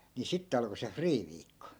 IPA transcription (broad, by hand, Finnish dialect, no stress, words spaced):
ni sitːe ɑlko se friːʋiːkːo